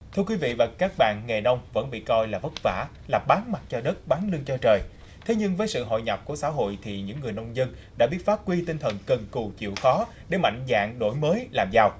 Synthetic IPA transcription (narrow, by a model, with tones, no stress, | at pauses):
t̪ʰɨ˧əkwi˨˦vḭ˧˨vaː˨˩kaː˦˥k̚ɓa̰ː˧˨nŋe˨˩ɗə˧wŋ͡mvə̰˧˥nɓḭ˧˨kɔ˧jlaː˨˩və˦˥t̚va̰ː˧˩˥ | laː˨˩p̚ɓaː˨˦nma˨˩t̚t͡ɕɔ˧ɗə˦˥t̚ɓaː˨˦nlɨ˧əŋt͡ɕɔ˧t͡ɕəː˨˩j | t̪ʰe˨˦ɲɨ˧ŋvəː˨˦jsɨ̰˧˨ɦo̰˧˨jɲɔ˨˩p̚ku˧˩əsa̰ː˧˥ɦo̰˧˨jt̪ʰi˨˩ɲɨ̰˧˥ŋːɨ˨˩əjnə˧wŋ͡mzə˧nɗaː˧˥ɓi˦˥ət̚faː˦˥p̚kwi˧t̪ï˧ŋt̪ʰə˨˩nkə˨˩nku˨˩t͡ɕḭ˧˨əwxɔ˨˦ | ɗe˧˩ma̰˧˨jŋ̟za̰ː˧˨ŋɗo˧˩jməː˨˦jlaː˨˩mzaː˧w